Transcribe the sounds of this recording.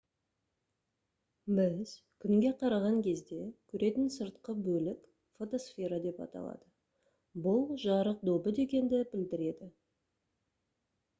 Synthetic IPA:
bɪz̥ | kʲʰʏŋɡʲe̞qʰɑɾɑʁɑŋkʲʰe̞zd̪e̞kʲʰʏɾʔe̞t̪ɪnsəɾt̪qəbɵlɪk | fo̞t̪o̞sfʲeɾad̪e̞pɑ̰t̪ɑ̰lˠɑ̰d̪̥ə | bʊlˠʒɑɾəq̚d̪o̞bəd̪e̞kʲe̞nd̪ɪbɪld̪ɪɾe̞d̪ɪ

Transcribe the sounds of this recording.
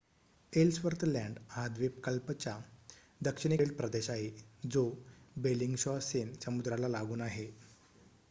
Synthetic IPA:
elsʋəɾt̪læ̃ɳɖɦad̪ʋep̚kəlpət͡ɕja | d̪əkʂiɽ̃iɽpɾəd̪eɕaɦed͡zobeliŋɡɕɔsensəmud̪ɾalalaɡuːnaɦe

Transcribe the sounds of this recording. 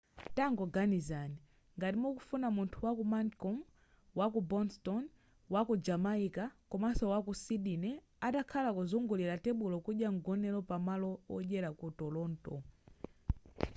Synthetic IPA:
taŋɡɔɡanizani | ŋɡatimɔkufunamuntʰuwakumankɔm | wakubɔnstɔn | wakud͡ʒamaikakumasɔwakusiɗinɛ | atakʰalakuzuŋɡuliɾatɛɓulɔkuɗjaŋɡɔnɛlɔpamalɔwɔ̰ʄɛɾakutɔlɔːntɔ̰

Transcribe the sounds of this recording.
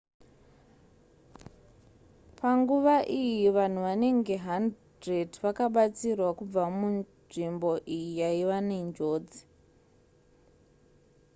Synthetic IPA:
paŋɡuʋaʔijiʋan̤uʋane̞ŋɡe̞ɦand | redʋakaɓat͡sirwakub͡vamu | ʐimbo̞ʔijijaiʋane̞nd͡ʒo̞ːd͡zi̥

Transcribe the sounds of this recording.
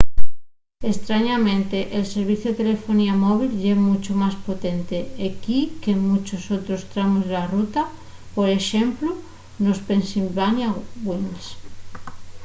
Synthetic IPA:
est̪ɾaɲamẽnt̪eʔelseɾβ̞iθjoet̪elefoniamoβ̞ilʎemut͡ʃomaspot̪ent̪eekikemut͡ʃosot̪ɾost̪ɾamozlarut̪a | poɾeʃemplo | nospensilβanjawwems

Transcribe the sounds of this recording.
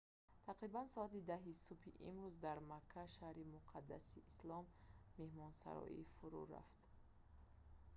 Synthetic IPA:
t̪ʰaqɾibansɔat̪id̪aɦisupʰiʔimɾuzd̪aɾmakʰːaʃahɾimuqʰad̪ːa̰siːslɔmːe̞hmɔnsa̰ɾɔ̰ʔḭfuɾṵɾa̰ft̪

